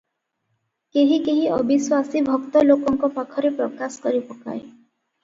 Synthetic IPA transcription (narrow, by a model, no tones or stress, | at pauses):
keɦikeɦiɔbiswasibʱɔkt̪ɔlokɔŋkɔpakʰɔɾepɾɔkasɔ̥kɔɾipɔka̰e